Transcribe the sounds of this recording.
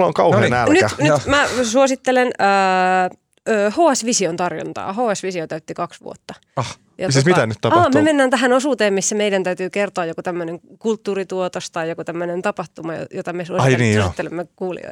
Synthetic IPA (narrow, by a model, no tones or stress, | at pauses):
lːoŋkɑuhenælnyɑnymæsuosit̪ːelenəː | øːhoːɑsʋisiont̪ɑrjo̰nt̪ɑ̰ːhoːɑsʋisiot̪æyt̪ːikɑksʋṵo̰t̪ːɑ | ɑh | jɑtsiːsmitt̪ænyt̪t̪ɑɑːmmemenːæːnt̪æɦænosuːt̪eːmmisːæmeidænt̪æyt̪yːkert̪oɑjokot̪æmːøneŋkult̪ːuːrit̪uot̪ost̪ɑjjokut̪æmːønent̪ɑpɑht̪umɑjo̰jot̪ɑmesuosɑiniːso̰st̪ːelemːekuːlḭo̰jt̪ɑ